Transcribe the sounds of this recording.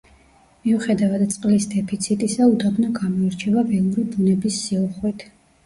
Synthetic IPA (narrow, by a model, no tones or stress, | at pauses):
miuχɛd̪avad̪t̪sʼqʼlisd̪ɛpʰit̪sʰit̪ʼisaud̪abnaɡamɔiɾt͡ʃʰɛvavɛlˠuɾibunɛbisːiuχwit̪ʰ